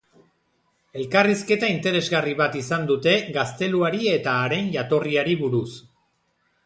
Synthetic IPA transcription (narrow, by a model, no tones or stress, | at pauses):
e̞lkariske̞t̪aint̪e̞ɾe̞zɣariβ̞at̪isand̪ut̪e̞ɣast̪e̞luaɾie̞t̪aːɾe̞nʝat̪o̞riaɾiβuɾus